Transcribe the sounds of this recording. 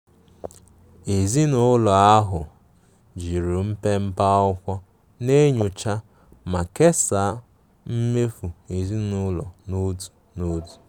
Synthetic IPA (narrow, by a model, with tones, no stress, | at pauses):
e˨zi˦nʊ˦lɔ˨a˦ɦʊ˨ | d͡ʒi˨ɾu˨m̩˦pe˦m̩˦pa˦ʊ˦kʷɔ˦ | ne˦ɲʊ˨t͡ʃa˦ | ma˨ke˦sa˨˦ | m̩˦me˦fu˨e˨zi˦nʊ˦lɔ˨no˦du̥˨ | no˦du̥˨